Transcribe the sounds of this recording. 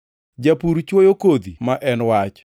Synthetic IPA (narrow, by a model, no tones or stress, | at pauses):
d͡ʒapuɾt͡ʃwojokod̪imaʔɛnwat͡ʃ